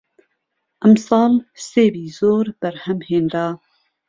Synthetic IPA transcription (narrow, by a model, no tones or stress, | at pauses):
ʔɛmsɑːlseːbiːz̥oːɾb̥ɛɾhɛmheːnɾɑː